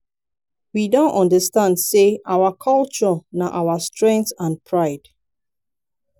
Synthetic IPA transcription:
widõntɔ̃ndəstãndseʔawakʰɔlt͡ʃɔnaʔawastɹɛ̃ŋk̚θãnpʰɹaɪd̥

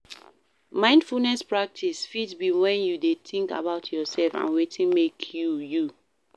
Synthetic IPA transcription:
mãɪ̃ndfulnɛspɹak̚tʰisfitbiwɛ̃njudetʰĩŋka̰baʊtʰjɔsɛlfã̰nwetʰĩnmekʰjuju

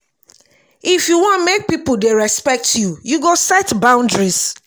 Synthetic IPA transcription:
ifjuwɔ̃nmek̚pipoldeɹɛspɛk̚tʰjujuɡosɛtbãʊ̃ndɹis

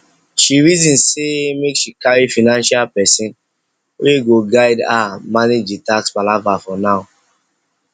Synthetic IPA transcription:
ʃiɹizĩnsemekʃikaɹifinãnʃalpɛsĩn | weɡoɡaɪdamaned͡ʒitaksbalavafɔnaʊ

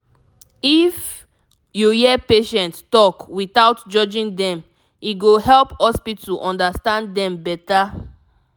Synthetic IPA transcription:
if | jujɛpeʃɛ̃nttɔkwitaʊtd͡ʒɔd͡ʒĩŋdɛ̃m | iɡoɦɛlphɔspituʔɔ̃ndastãnddɛ̃mbɛta

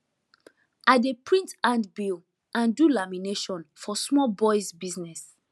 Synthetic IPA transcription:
ʔadepʰɹĩntãndbil | ʔãndulamineʃɔ̃nfɔsmɔlbɔɪzbiznɛs

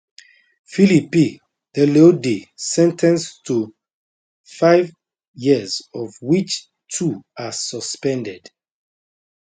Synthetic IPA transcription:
filipi | dɛlodesɛ̃ntʰɛ̃nstʰu | faɪv | jizɔvwit͡ʃ | tʰuasɔspɛ̃ndɛd̥

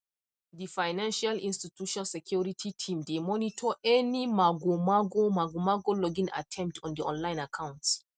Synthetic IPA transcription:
difajnãnʃalĩnstituʃɔ̃nalsɛkʰjuɹitʰitʰĩmdemɔnitʰɔʔɛnimaɡomaɡomaɡomaɡolɔɡĩna̰tʰɛ̃mp̚tʰɔ̃ndiɔ̰̃nlãɪ̃nakʰãw̃nts

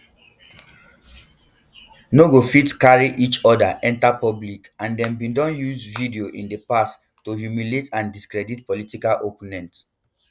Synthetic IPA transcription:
noɡofitkaɹiʔit͡ʃɔdaʔɛ̃ntapɔblikãndɛ̃mbĩndɔ̃njuzvidioʔĩndepas | tːohjumiletãndiskɹɛdit̚politikalʔoponɛ̃nt

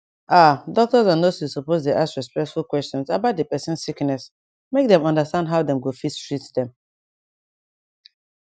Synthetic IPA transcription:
ʔadɔk̚tɔzãndoshusupoztuʔaskɹɛspɛk̚tfulˠkwɛstɔ̃nsabaʊt̚dəpɛsɛ̃nssiknɛs | mek̚dɛ̃mʌ̃ndəstãndɦaʊdɛ̃mɡofistɹitdɛ̃m

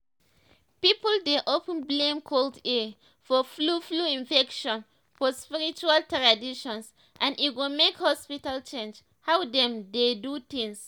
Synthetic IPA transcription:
pipəldeʔopə̃nblẽmkʰolde | fɔflufluĩnfɛkʃɔ̃n | fɔspiɹit͡ʃualtɹadiʃɔ̃ns | ʔãnit̚ɡõmekhɔspitalt͡ʃẽnd͡ʒ | hawdɛ̃mdedut̪ĩŋs

